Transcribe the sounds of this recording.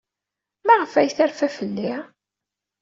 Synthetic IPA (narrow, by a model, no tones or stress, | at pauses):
mæʁəfæjθæɾfæfəlːi